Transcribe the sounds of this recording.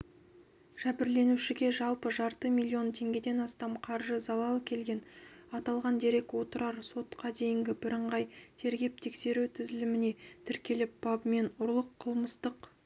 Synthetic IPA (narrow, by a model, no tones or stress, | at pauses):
ʒ̥æbɪɾle̞nuʃɪɡʲe̞ʒɑlˠpəʒɑɾt̪əmilʲːio̞nt̪ʰe̞ŋɡʲe̞d̪e̞nɑst̪ɑmqʰɑɾʒəzɑlˠɑlˠəkʲʰe̞lɡʲe̞nɑt̪ɑlˠʁɑnd̪e̞ɾe̞kwo̞t̪əɾɑɾso̞t̪qɑd̪e̞jɪŋɡʲɪbɪɾəɴʁɑjt̪ʰe̞ɾɡʲe̞p̚t̪ʰe̞kse̞ɾuwt̪ʰɪzɪlɪmɪne̞t̪ʰɪɾkʲe̞lɪp̚b̥ɑbme̞nʊɾlˠəqʰːəlˠməst̪əq